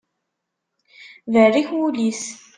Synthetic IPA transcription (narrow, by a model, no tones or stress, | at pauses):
vərːiçwulis